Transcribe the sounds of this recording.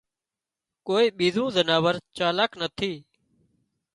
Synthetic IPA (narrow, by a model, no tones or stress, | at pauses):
koːiːɓiːzũːzənaːʋəɾt͡ʃaːlaːknət̪ʰiː